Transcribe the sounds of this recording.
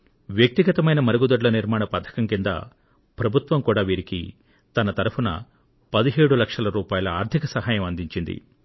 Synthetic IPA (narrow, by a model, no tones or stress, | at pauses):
ʋjɐk̚t̪iɡɐt̪ɐmɐjnɐmɐɾuɡud̪ɐɖlɐniɾmaːɳɐpɐt̪ʰːɐ̥kɐmkind̪ɐ̰ | pɾɐbʱut̪ʋɐmkuːɽaːʋiːɾikḭ | t̪ɐnɐt̪ɐɾupʰunɐ̰ | pɐd̪iɦeːɽulɐkʂɐlɐɾuːpaːjɐlɐaːɾd̪ʱikɐsɐɦaːjɐmɐnd̪iɲt͡ʃind̪ḭ